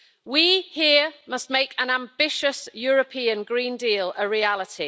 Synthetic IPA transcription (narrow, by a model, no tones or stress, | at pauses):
wihiəmʌstmeɪkʰə̃nãmbɪʃəsjɔːɹəpʰĩːə̃nɡɹĩːndiːləɹialɪtʰi